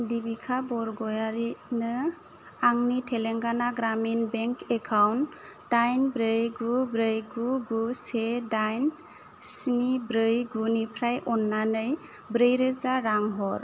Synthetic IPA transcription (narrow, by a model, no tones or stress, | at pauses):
dibikʰabɔɾɡɔjaɾinɯ | aŋnitʰɛlɛŋɡanaɡɾaminbɛŋkʰɛkʰawn | tajnbɾəjɡubɾəjɡuɡusedajn | sinibɾɯjɡunipʰɾajʔɔnːanɯj | bɾəjɾɯzaɾaŋɦɔɾ